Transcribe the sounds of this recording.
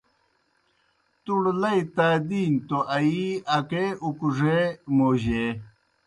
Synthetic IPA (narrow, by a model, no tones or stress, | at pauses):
t̪uɽlɐit̪aːd̪iːnt̪oʔɐiɐkeʔukuʐemoːʑe